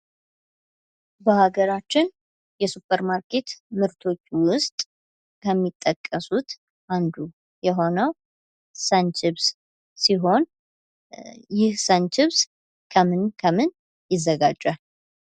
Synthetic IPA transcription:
bəhaɡəɾat͡ʃːɪn | jɛsupʰːəɾmaɾke̞t̪mɨɾt̪ʰo̞t͡ʃːwʊst̪ʼ | kʰəmːit̪ʼːəkʼːəsut̪ | ʔand̪u | jɛɦo̞nəw | sənt͡ʃɪβs | siɦo̞n | jɪhsənt͡ʃɪβs | kʰəmɨnkʰəmɨn | jɪzːəɡad͡ʒʼːa

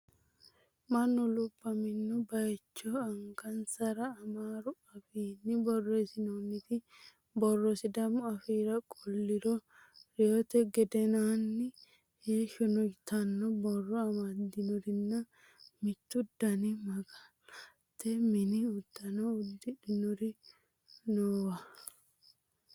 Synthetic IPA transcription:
mɐnːɔlʊbːɐmɪnːɔbɐjt͡ʃːɔɐŋɡɐnsɐɾɐːmaːɾʊɐfiːnːɪbɔrːesɪnɔnːɪt̪ɪ | bɔrːɔsɪd̪ɐmʊɐfiːɾɐkʼɔlːɪɾɔ | ɾɪjot̪ɛɡɛd̪ɛnaːnːɪ | jeːʃɔnɔjt̪ɐnːɔbɔrːɔɐmɐd̪ɪnʊɾɪnːɐ | mɪt̪ːʊd̪ːɐnɪmɐɡaːla | t̪ːɛmɪnɪʊd̪̥ːɐnɔʊd̪ːɪᶑɪnʊɾɪ | noːwɐ

